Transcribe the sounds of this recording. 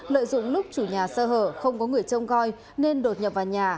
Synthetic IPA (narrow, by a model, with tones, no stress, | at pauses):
lə̰ː˧˨jzʊ̰˧˨ŋ͡mlʊ˦˥k͡p̚t͡ɕu˧˩ɲaː˨˩səː˧ɦəː˧˩xə˧wŋ͡mkɔ˨˦ŋɨ˨˩əjt͡ɕə˧wŋ͡mɣɔ˧j | ne˧nɗo˨˩t̚ɲə˨˩p̚vaː˨˩wɲaː˨˩